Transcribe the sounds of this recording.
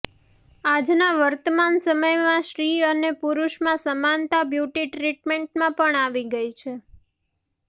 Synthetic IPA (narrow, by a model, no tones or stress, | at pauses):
ad͡ʒnaʋəɾt̪əmansəməjmãʃɾiənepuɾuʃmãsəmant̪abjuʈiʈɾiʈmeɳʈmãpəɳaʋiɡəjt͡ʃʰe